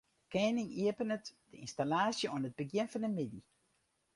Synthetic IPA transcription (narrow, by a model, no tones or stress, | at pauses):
kɛːnɪŋiəpənətd̥əinstalaːsjəwənəd̚bəɡjɪnfɑnəmɪdi